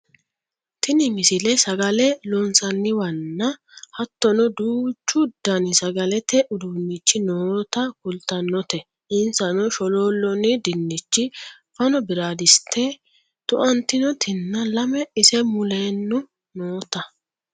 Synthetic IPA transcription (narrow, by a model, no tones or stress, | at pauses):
t̪ɪnɪmɪsɪlɛsɐɡɐlɛlɔnsɐnːɪwɐnːɐ | hɐt̪ːɔnɔd̪uːt͡ʃːʊd̪ːɐnɪsɐɡɐlɛt̪ɛʔʊd̪uːnːɪt͡ʃːɪnoːt̪ɐkʊlt̪ɐnːɔt̪ɛ | ʔɪnsɐnɔʃɔloːlːɔnɪd̪ɪnːɪt͡ʃːɪ | fɐnɔbɪɾaːd̪ɪst̪ʰːɛ | t̪ʊʔɐnt̪ɪnɔt̪ʰɪnːɐlɐmɛɪsɛmʊleːnːʊ | noːt̪ɐ